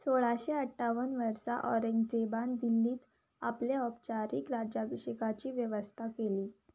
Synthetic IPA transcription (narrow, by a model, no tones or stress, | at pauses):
soɭaɕeəʈʰːaʋənʋəɾsaʔɔ̰ɾeɲɡd͡zeband̪ilːiːt̪ | apleɔpt͡ɕaɾḭːkɾad͡ʑjabəɕəkat͡ɕiːʋjəʋəst̪ʰakeliː